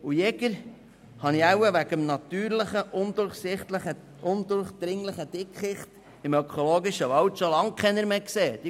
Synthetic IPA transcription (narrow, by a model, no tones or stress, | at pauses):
ujɛɡəɾ | hɑniæwəʋæɡ̥əmnɑt̪yːɾləχəʔʊnd̪ʊɾχsɪχt̪ləχə | ʊnd̪ʊɾχd̪̥ɾɪŋləχəd̥̪ɪkχɪχt | ɪmœkʰoloːɡiʃəʋɑwtʃolɑŋkʰɛnəɾmeːkseːd̥̪i